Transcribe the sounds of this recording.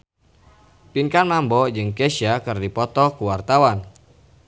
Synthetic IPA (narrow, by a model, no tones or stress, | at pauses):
piŋkanmambɔd͡ʒɨŋkesiakɨrdipɔt̪ɔkuwart̪awan